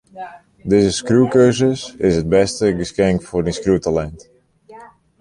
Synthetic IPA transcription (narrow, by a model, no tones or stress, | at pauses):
dɪzəskrukøzəsɪsɦəd̚bɛstəɡəskɛŋkfʊrdinskrutalɛnt